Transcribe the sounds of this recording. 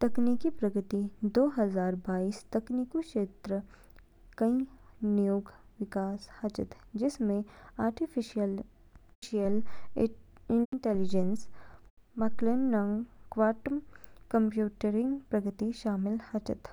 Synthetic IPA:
t̪ɐkniːkipɾɐɡət̪id̪oːɦɐzaːɾbaːiːst̪ɐkniːkuʃeːt̪ɾə | kɐĩnijoːɡʋɪkaːshɐt͡ʃə̰t̪d͡ʒɪsmẽaːɾʈifʰɪʃiəl | ʃijəl | ɪ̃ɳʈɛːlɪd͡ʒəns | mɐklənːɐ̃ŋɡkʋaːʈəmkɐ̃mpjuːʈəɾɪ̃ŋɡpɾɐɡət̪iʃaːmɪlhɐt͡ʃə̰t̪

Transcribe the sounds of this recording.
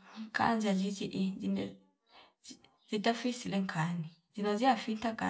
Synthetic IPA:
kʰa̰nziazitiʔzin | zitafisilɛŋkʰani | zinoziafintaka̰

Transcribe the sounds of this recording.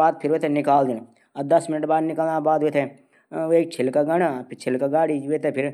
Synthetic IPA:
aːd̪̚pʰɪɾɦoːt̪ʰɛnɪkaːld͡ʒən | ɐd̪ɐsmɪnəʈbaːd̪nɪkəlnabaːd̪ɦot̪ʰɛ | eːk̚t͡ʃʰɪlkaɡɐɽ̃apt͡ʃʰɪlkaɡaːɽiɦot̪ɛpʰɪɾ

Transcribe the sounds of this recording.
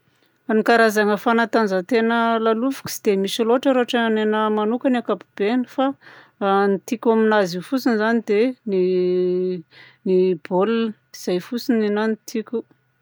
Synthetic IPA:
nikaɾazaŋəfanat̪anzət̪enəlaluvu̥ki̥sd̪emisiloʈ͡ʂəɾoaʈ͡ʂaanenəmanukanakapub̥enifa | nit̪ikʲaminazifut͡sinzanid̪eni | nib̥olun | iz̥ajfusininanit̪ʰikʲu

